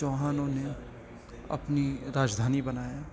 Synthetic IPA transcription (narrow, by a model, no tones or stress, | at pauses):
oːɦaːnõne | ɐ̰pniɾaːd͡ʒd̪ʱaːnibɐnaːjaː